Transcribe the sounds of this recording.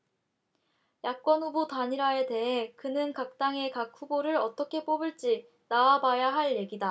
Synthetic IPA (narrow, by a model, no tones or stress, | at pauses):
jak̚k͈wʌnɦubutaɲiɾae̞te̞ɦe̞kɯnɯnkak̚t͈aŋe̞kak̚ʰuboɾɯɾʌt͈ʌkʰe̞p͈obɯɭt͡ɕ͈i | nawabajaɦaɭje̞ɡida